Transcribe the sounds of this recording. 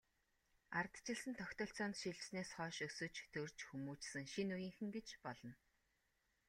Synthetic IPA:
art̪t͡ɕɪ̆ɮsɘ̆nt̪ʰɔkʲt̪ɔːɬt͡sɔːnt̪ʃiɮt͡ɕsneːsχɔːʃɵsɵ̆t͡ɕt̪ʰɵrt͡ɕxumuːt͡ɕsɘ̆ŋʃinujĭːŋxɘ̆ŋɡet͡ɕpɔɮɞ̆n

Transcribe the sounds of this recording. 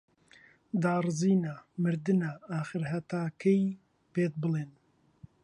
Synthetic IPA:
d̪aːrɨziːnaːmɨɾd̪ɨnaːaːxɨɾɦɐt̪aːkʰɛj | peːt̪̚bɨleːn

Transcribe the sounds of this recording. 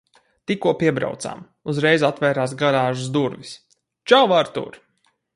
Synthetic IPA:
t̪ikuɔpiɛbɾa̰wt̪sa̰m | uzɾɛjzat̪vɛːɾaːsɡaɾaːʒusd̪uɾvʲis | t͡ʃawvaɾt̪ṵɾ

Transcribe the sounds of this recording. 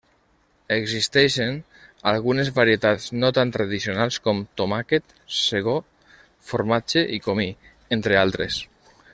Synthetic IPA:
eɡzist̪ɛʃen | alˠɣunezβaɾiet̪at̪znot̪ant̪ɾaðisionalˠskɔmt̪omaket̪ | seɣ̞o | foɾmat͡ʃeʔikomi | ent̪ɾealˠt̪ɾes

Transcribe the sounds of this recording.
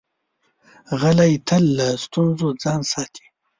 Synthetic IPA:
ɣalajt̪ʰəlːəst̪unzod͡zɑːnsɑːt̪ʰi̥

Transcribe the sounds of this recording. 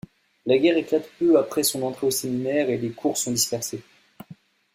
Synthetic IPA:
laɡʲɛʁeklat̪pøapχɛsɔ̃nɑ̃t̪χeoseminɛʁelekʰuʁsɔ̃d̪ispɛʁse

